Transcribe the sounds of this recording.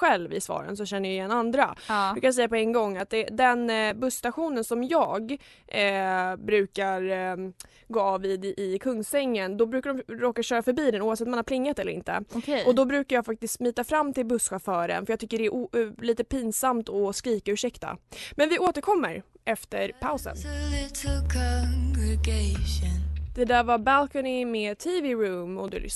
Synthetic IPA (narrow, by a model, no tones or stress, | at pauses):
ɧɛlvɪ̰svɑ̰ːɾə̰nsɔɕɛnːəjaɪjɛnːand̪ɾabɪkajsɛjːapɔɛnɡɔŋːat̪̚d̪ɛd̪ɛnbɵsːt̪aɧuːnənsɔmjɑːɡ | bɾʉ̟ːkaɾ | ɡoːvid̪ɪkʰɵŋːsɛŋːənd̪ɔbɾʉ̟ːkaɖɔmɾoːkaʂɕœːɾafœɾbiːd̪ɛnuːavsɛt̪ɔmanhaɾpʰlɪŋːat̪ɛlːəɾɪ̰nt̪ə̰kʰɔd̪ɔbɾʉ̟ːkaɾjɑːfak̚t̪ɪskt̪myːt̪afɾamːt̪ɪlbɵsɧafœːɾə̰nfœɾjɑɡt̪ʏkːəɖɛæɾʔliːt̪əpiːnsamt̪ɔskɾiːkaʉ̟ʂɛkt̪a̰mɛnvɪoːt̪əɾkʰɔmːəɾʔɛft̪əɾpʰaʊsə̰nlɪtʰl̩kʰɔŋɡɹɪɡeɪʃɔnd̪̥ɛd̪æːɾvabælkənɪmeːt̪ʰivɪɾʉːmɔ̰d̪ɛ̰l̰